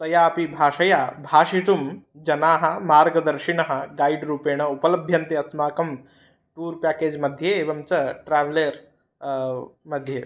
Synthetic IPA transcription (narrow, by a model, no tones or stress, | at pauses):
sɐjaːɐpibʱaːʃɐjaːbʱaːʃiʈ̪umd͡ʒɐnaːɦɐ̆maːɾɡɐd̪ɐɾʃinɐɦɐ̆ɡaːiɖɾuːpeːɳ̃ɐupɐlɐbʱjɐnt̪iɐsmaːkɐm | ʈuːɾpæːkeːd͡ʒmɐd̪ʱjeːʋɐmt͡ʃɐʈɾaːʋleːɾ | mɐd̪ʱjeː